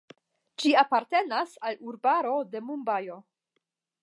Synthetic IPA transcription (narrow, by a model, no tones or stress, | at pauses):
d͡ʒiapaɾte̞nasaluɾbaɾo̞de̞mumbajo̞